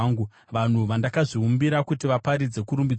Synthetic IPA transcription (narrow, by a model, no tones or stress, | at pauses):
ŋɡu | ʋan̤uʋandakaʐiumbiɾakutiʋapaɾid͡ze̞kuɾumbid͡z